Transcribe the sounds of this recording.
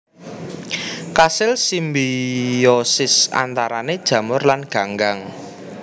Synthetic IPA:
kasɪlsimbijɔsɪsa̰nt̪aɾaned̥ʒ̥ä̤mʊrlanɡ̥ä̤ŋɡaŋ

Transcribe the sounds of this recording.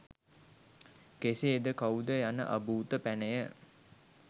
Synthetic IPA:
keseːd̪əkawud̪əjanə̰ʔəbuːt̪əpænəjə

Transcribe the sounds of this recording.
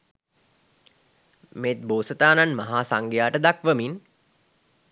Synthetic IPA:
meːt̪̚boːsət̪aːnanmaɦaːsaŋɡejaːʈəd̪akʋəmin

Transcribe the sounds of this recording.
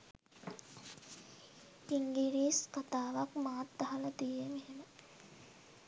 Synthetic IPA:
iŋɡiɾiːskat̪aːʋakmaːt̪̚d̪aɦalat̪ijemeɦemə

